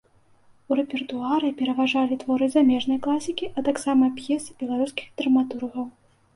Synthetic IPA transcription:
uɾɛpʲɛrt̪uaɾɨpʲɛɾɐvaʐalʲit̪vɔɾɨzamʲɛʐnɐjklˠasʲikʲiʔɐt̪aksamɐpjɛsɨbʲɛlˠaɾuskʲi̥xd̪ɾɐmat̪urɣɐw

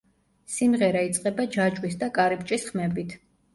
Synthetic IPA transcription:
simʁɛɾait̪sʼqʼɛbad͡ʒad͡ʒwisd̪akʼaɾipt͡ʃʼisχmɛbit̪ʰ

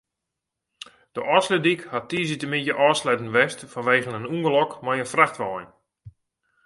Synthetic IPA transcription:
d̥əʔɔslədikhatiːzitəmitjəʔɔːslɛdn̩ʋɛstfɔnʋeːɣənənuŋɡəlɔkmajənfraχtʋɔjn

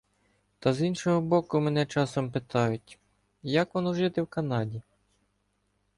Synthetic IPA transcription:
t̪ɐzinʃɔɦɔbɔkʊmɛnɛt͡ʃɑsɔmpɪt̪ɑjʊtʲ | jɐkʋɔnɔʒɪt̪ɪwkɐnɑdʲi

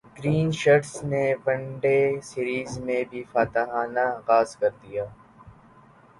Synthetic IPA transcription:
ɡɾiːnʃɐʈsnebɐ̃ɳɖesiːɾiːzmẽbʱifaːt̪aɦaːnaːɣaːzkɐɾd̪ijaː

